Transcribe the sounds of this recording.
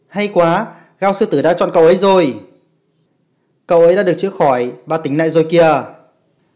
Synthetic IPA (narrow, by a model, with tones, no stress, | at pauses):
ha˧jkwaː˨˦ | ɣaː˧wsɨ˧t̪ɨ˧˩ɗa̰ː˧˥t͡ɕɔ̰˧˨nkə˧wʔə˨˦jzo˨˩j | kə˧˩wʔə˨˦jɗa̰ː˧˥ɗɨ˨˩ək̚t͡ɕɨ̰˦˧˥əxɔ˧˩jɓaː˨˧˩t̪ï˨˦ŋ̟na̰ː˧˨jzo˨˩jki˧ə